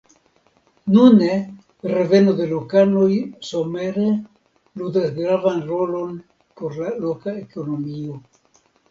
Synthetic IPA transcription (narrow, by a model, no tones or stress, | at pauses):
nune | revenoðelokanojsomeɾe | lud̪asɡɾavanrolon | poɾlalokaekonomio